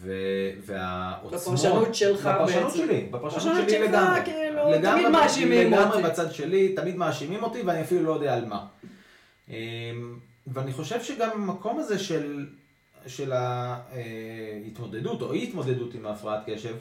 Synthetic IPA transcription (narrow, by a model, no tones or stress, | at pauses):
vevea̰ʔot͡smoutelapaʁʃanut̪ʃelibapaʁʃanuuʃelileɡamiluleɡamʁemaʃimileɡamʁebat͡sad̪ʃe̞lit̪amid̪maːʃimimo̞t̪iveaniafilulo̞jod̪eaːlma | ʔem | veaniχo̞ʃe̞vʃeɡamamako̞maze̞ʃe̞l | ʃe̞laehit̪mo̞d̪e̞duto̞̰it̪mo̞d̪e̞d̪ut̪imaːfʁaatke̞ʃe̞v